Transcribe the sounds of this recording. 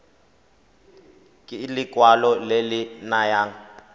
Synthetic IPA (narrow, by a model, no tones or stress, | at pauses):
kʼlikʼwalɔlelinajaːŋ̩